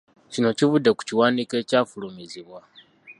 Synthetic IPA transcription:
cino̞civudːe̞ku̥ciwaːnike̞ːcaːfulumiziβwa

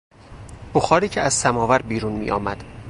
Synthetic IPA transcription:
b̥oxɒːɾiːcʰeæz̥sæmɒːvæɾbiːɾunmḭːʔɒ̰ːmæd̪̥

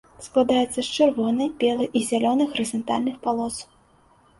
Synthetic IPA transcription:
sklˠad̪ajɛt̪sːɐst͡ʂɨrvɔnɐjbʲɛlˠɨjʔizʲalʲɔnɨxɾɨzɐnt̪alʲnɨxpalˠɔs

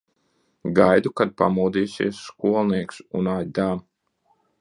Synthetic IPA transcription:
ɡajd̪ukad̪̚pa̰muːd̪iːsḭɛsːkuɔlˠniɛksunajd̪aːm

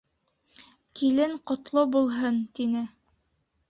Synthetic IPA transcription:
kilɘŋqŏt̪lˠobulˠɦɤnt̪inɘ

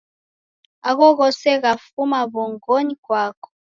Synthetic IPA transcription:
aɣɔɣɔsɛɣafumaβɔŋɡɔɲikwakɔ̥

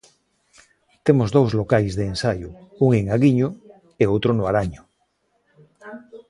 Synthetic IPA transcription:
t̪emozðowzlokajzðeːnsajouŋeŋaɣiɲo | eowt̪ɾonoaɾaɲo

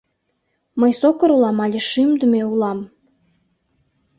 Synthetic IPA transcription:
məjsokə̆ɾulɑmɑlʲeʃymd̪əmeulɑm

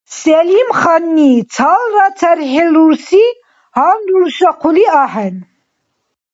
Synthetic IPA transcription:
sɛlimχanːit͡sʰalɾat͡sʰɛɾħɛluɾsi | hanluɾsaqʰuliaħɛn

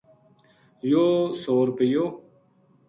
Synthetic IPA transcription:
joːsoːɾpɪjoː

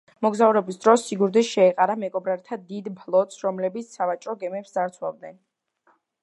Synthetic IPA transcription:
mɔɡzauɾɛbisd̪ɾɔsːiɡuɾd̪iʃɛːqʼaɾamɛɡʼɔbɾaɾt̪ʰad̪id̪pʰlˠɔt̪ʼsɾɔmlɛbit̪sʰsavat͡ʃʼɾɔɡɛmɛpsd̪aɾt̪sʰwa̰vd̪nɛn

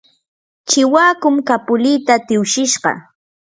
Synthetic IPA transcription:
t͡ʃɪwaːkʊmkapʊliːt̪at̪ɪwʃɪʃɢɑ̰

